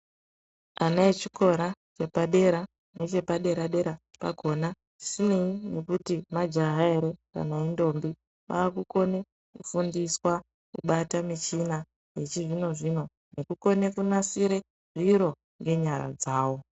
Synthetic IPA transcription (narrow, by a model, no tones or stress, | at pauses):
anaet͡ʃiko̞ɾat͡ʃe̞paɗe̞ɾa | net͡ʃe̞paɗe̞ɾaɗe̞ɾa | pa̰ɡʱo̞na | ʐi̥sineinekutimad͡ʒaɦaeɾeka̰naindo̞mbi | ʋa̰ːkuko̞ne̞ | kufundiswa | kṵɓatamit͡ʃina | je̞t͡ʃiʐino̞ʐino̞ | nekuko̞ne̞kunasiɾe | ʐ̥iɾo̞ | ŋɡe̞ɲaɾa̰d͡zaːwo̞